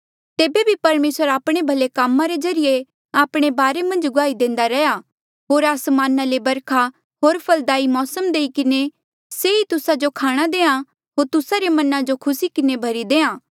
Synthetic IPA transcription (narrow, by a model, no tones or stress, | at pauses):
t̪eːbebʱipɐɾmeːsəɾaːpɽ̃ebʱɐlekamːãɾezɐɾɪje | aːpɽ̃ebaːɾemɐ̃nd͡ʒɡʊaːid̪ẽːnd̪aɾɛja | ɦoːɾaːsmaːnalebɐɾkʰa | ɦoːɾpʰɐld̪aːimɔːsəmd̪eːikɪne | seit̪ʊsad͡ʒokʰaːɽ̃ad̪eːã | ɦoːɾt̪ʊsaɾemɐnãd͡ʒokʰʊsikɪnebʱɐɾid̪eːãː